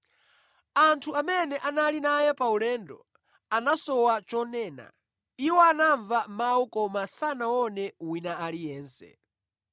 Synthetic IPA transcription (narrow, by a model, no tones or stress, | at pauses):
antʰuamɛnɛʔanalinajɛpaulɛːndɔ̰ | anasɔwat͡ʃɔnɛːna̰ | iwɔanaɱvamawɔkɔmasanawɔnɛwinaalijɛːnsɛ̰